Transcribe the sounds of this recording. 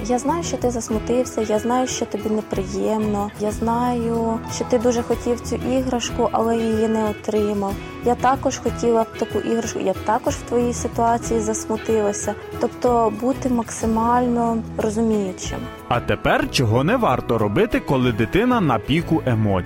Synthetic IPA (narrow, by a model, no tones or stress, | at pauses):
jaznɑjʊʃt͡ʃɔt̪ɪzɐsmʊt̪ɪwsʲɐjaznɑjʊʃt͡ʃɔt̪ɔbʲinepɾɪjɛmnɔjaznɑjʊʃt͡ʃɔt̪ɪd̪uʒɛxɔtʲiwt͡sʲuʔiɦɾɐʃkʊʔɐlˠɛjijinɛɔt̪ɾɪmɐw | jat̪ɑkɔʒxɔtʲilˠɐt̪ɐkuʔiɦɾɐʃkʊ̰jat̪ɑkɔʒwt̪ʋɔjijsɪt̪ʊɑt͡sʲijizɐsmʊt̪ɪlˠɐsʲɐ | t̪ɔpt̪ɔbut̪ɪmɐksɪmɑlʲnɔrɔzʊmʲijʊt͡ʃɪ̰m | ɐt̪epɛrt͡ʃɔɦɔnɛʋɑrt̪ɔɾɔbɪt̪ɪkɔlˠɪd̪ɪt̪ɪnɐnɐpʲikʊʔemɔ